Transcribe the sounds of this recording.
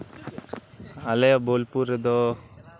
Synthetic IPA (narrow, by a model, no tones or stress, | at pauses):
alɛjabolpuɾɛd̪ɔ